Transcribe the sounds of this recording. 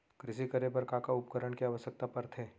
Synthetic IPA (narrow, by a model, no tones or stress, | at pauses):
kɾɪsikəɾepɐɾkakaʊpkəɾəɳkiaʋəsjək̚t̪apɐɾt̪ʰeː